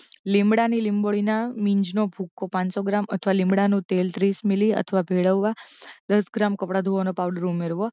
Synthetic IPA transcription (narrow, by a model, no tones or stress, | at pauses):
lɪ̃mbɽanilɪmboɭinamĩɲd͡ʒnobʱukːopãnsoɡɾamət̪ʰəʋalɪmbɽanũt̪elt̪ɾismiliə̰t̪ʰəʋabʱeɭəʋːad̪əsɡɾamkəpɽad̪ʱuʋonopaʋɖəɾumeɾʋo